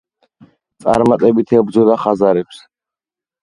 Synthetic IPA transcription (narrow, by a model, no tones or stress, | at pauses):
t̪sʼa̰ɾmat̪ʼɛbit̪ʰɛbd̪zɔd̪aχazaɾɛps